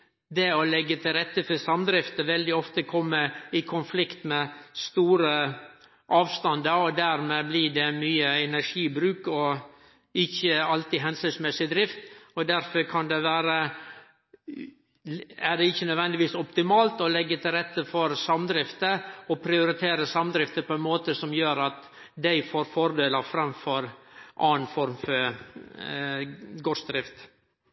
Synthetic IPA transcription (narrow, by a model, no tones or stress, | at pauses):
d̪ɛɔlɛɡːət̪ʰɪlɾɛt̪ːəfɔɾsɑmd̪ɾɪft̪əʋɛld̪ɪɔft̪əkʰɔmːəɪkʰʊnflɪkt̪mɛst̪uːɾə | ʔɑːʋst̪ɑnd̪əɾɔd̪æɾmeːblɪɖɛmyːəɛnæʂiːbɾʉːkɔ | ɪçːəɑlt̪ɪɦɛnsɪnsmɛsɪd̪ɾɪft̪ɔd̪æɾfœɾkʰɑnd̪ɛʋæːɾə | æɖɛɪçːənœd̪ʋɛnd̪ɪʋiːsɔpt̪ɪmɑːlt̪ɔlɛɡːət̪ʰɪlɾɛt̪ːəfɔɾsɑmd̪ɾɪft̪əɔpʰɾɪʊɾɪt̪ʰeːɾəsɑmd̪ɾɪft̪əpʰɔɛnmoːt̪əsɔmjøːɾɑt̪ | d̪æɪfoːɾfɔɾd̪eːləfɾɑmfɔɾʔɑːnfɔɾmfɔɾ | ɡɔsd̪ɾɪft̪